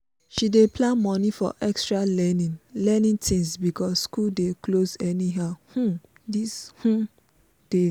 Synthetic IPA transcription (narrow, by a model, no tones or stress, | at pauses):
ʃidepʰlãnmɔnifɔ̰ʔɛkstɹaɛnilɛnĩntʰĩŋsbikɔsːkuldeklozɛniɦaʊhũ | dishũ | d̥e